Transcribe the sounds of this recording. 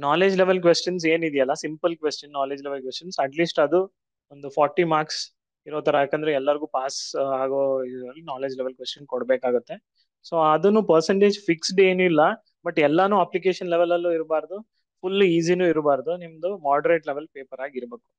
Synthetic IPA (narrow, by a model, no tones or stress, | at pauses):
naːleːd͡ʒleʋɐlkʋesʈɐns̬e̞ːnid̪ijɐlːɐsimpɐlkʋesʈɐnːaːled͡ʒleʋelkʋesʈɐnsɐʈliːsʈɐd̪u | ond̪upʰaːɾʈːimaːɾks | iɾoːt̪ɐɾɐaːkeɐnd̪ɐɾeɛlːɐɾiɡuːpaːsaːɡoiɐlːinaːle̞ːd͡ʒleʋelkʋesʈɐnkɔɽɐbeːkaːɡut̪ːe̞ | soɐd̪ɐnupɐɾseɳʈeːd͡ʒfʰiksɖe̞ːnuilːɐ | bɐʈːɛlːɐnuːɐplikeːʃɐnleʋelːɐlːuiɾbaːɾɐd̪u | pʰulːiːz̬inuːiɾbaːɾɐd̪unimɐd̪umaːɾɖɐɾeʈleʋelpeːpɐɾaːɡiɾɐbeːku̥